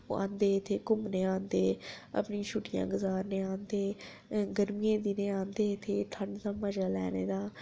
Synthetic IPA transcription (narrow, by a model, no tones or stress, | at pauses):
ã̰ːnd̪eːɪt̪ʰeːkʊmneːãːnd̪eːə̰pnĩːʃʰuʈɪjã̰ːɡəzaːɾneːãːnd̪eː | ɡəɾmɪjẽːd̪ɪnẽːãːnd̪eːɪt̪ʰːeːʈʰəɳɖd̪aːməd͡ʒaːlɛ̰ːñḛːd̪aː